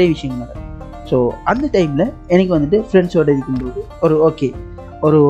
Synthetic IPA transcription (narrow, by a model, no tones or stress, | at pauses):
ɾejɐʋɪʂɐjɐŋɡɐmaːɾɐ | soːɐnd̪ɐʈɐɪmlɐɛnɐk̬ʲːɯʋɐnd̪ɯʈːɯfɾɛɳɖsoːʈɐɪɾɯkːɯmboːðɯ | ɔɾɯoːkeː | ɔɾɯ